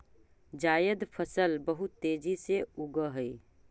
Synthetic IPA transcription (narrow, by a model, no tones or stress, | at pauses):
d͡ʒaːjəd̪pʰəsəlbəɦʊt̪ːeːd͡ʒiseʊɡəɦɛi